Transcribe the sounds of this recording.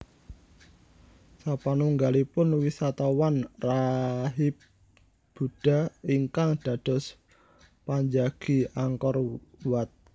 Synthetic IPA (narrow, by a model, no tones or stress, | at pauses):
sapanuŋɡalipʊnwisat̪awanraɦɪp̚ | b̥ṳɖ̥a̤iŋkaŋɖ̥a̤d̥ɔ̤s | paɲd͡ʒaɡ̥i̤aŋkɔrwat̪̚